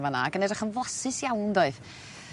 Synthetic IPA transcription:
vana̰ɡənɛrəχənvɔsɪsjawndoɨð

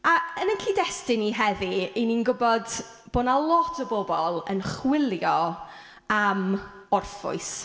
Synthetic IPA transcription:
aənənkʰiːdɛstɪniɦɛðieninɡʊbɔd | b̥oːnalˠɔtʰəbɔbɔlˠə̰nχwɪlˠjɔ | am | ɔrfʊ̰ɨs

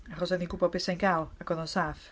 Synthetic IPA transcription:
aχɔsɛðiɡʊbɔbɪsajnɡalˠaɡɔðɔnsaːθ

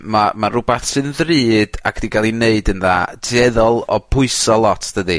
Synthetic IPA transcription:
mamarʊbaθsɨnðriːd̥a̰kʰd̥iɡalˠineɨdənðadɛðɔlˠɔpʰʊɨsɔlˠɔtʰd̥ədi

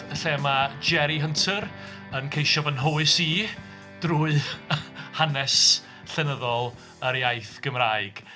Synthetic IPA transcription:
əɬɛmad͡ʒɛɾiɦəntʰəɾ | ənkʰejʃɔvənɦoɨsiː | d̥ruːɨ | hanɛs | ɬɛnəðɔlˠ | əɾjajθɡ̥əmraːɨɡ̥

